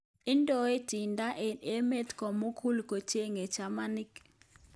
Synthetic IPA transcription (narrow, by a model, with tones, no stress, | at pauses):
ɪ˦ndʼɔ˦e˦ti˨nda˦e˦me˦tkɔ˨mo˦kʰu˦lko˨t͡ʃe˦ŋɛ˨t͡ʃa˨ma˦ni˦k